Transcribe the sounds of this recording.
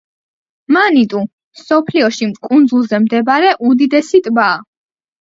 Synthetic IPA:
manit̪ʼu | msɔpʰliɔʃimkʼund̪zulˠzɛmd̪ɛbaɾɛʔud̪id̪ɛsit̪ʼbaː

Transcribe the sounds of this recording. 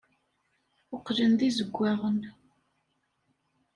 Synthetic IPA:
ʊqlənðizəɡʷːaʁən

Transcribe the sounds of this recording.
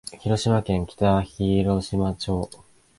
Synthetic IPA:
çiɾo̞ɕimakẽŋkʲi̥t̪açiɾo̞ɕimat͡ɕo̞ː

